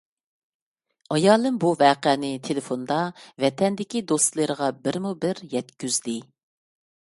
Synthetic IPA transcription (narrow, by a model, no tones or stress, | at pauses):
ɑjɑːlˠɨmbuvɛːqɛːnɪt̪ʰelefond̪ɑvɛt̪ʰɛnd̪ɪkʲid̪ost̪lˠəɾəʁɑbɪɾmubɪɾjɛt̪kʲyzd̪ɪ